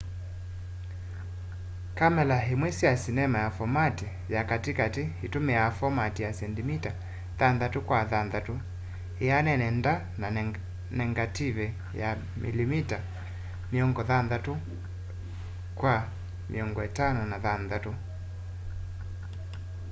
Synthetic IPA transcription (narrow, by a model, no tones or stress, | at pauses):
kamɛlaɦimwɛsijasinɛmajafɔmati | jakatikatihitumɛafɔmatijasɛndimita | ðanðatukwaðanðatu | ɛanɛnɛnda | n | nɛŋɡativɛ | ja̰ | mʔḭlimita | miɔŋɡɔðanðatu | kwa | mḭɔŋɡɔɛtanɔnaðanðatu